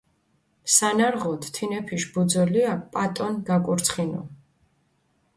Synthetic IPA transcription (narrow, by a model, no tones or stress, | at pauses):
sanaɾʁɔt̪ʰt̪ʰinɛpʰiʃbud̪zɛliapʼat̪ʼɔnɡakʼuɾt̪sʰχinɔ̰